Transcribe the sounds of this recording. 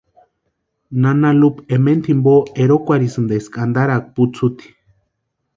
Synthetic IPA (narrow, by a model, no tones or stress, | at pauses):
nanalupement̪ʰimboeɾokʷaɾisɨnd̪eskʼand̪aɾak̚put͡sʰut̪i̥